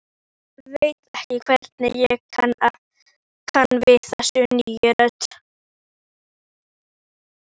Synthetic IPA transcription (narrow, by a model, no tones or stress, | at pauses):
vejt̪ɛhcɪkʰvɛɾt̪nɪjɛɣkʰana | kʰanvɪθɛsʏnijʏɾœt̪